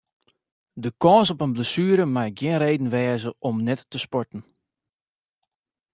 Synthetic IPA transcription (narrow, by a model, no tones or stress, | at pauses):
dəkɔːsɔpənbləsyəɾəmaj̚ɡjɪənreːdn̩ʋɛːzəʔɔmnɛtːəspɔɹtn̩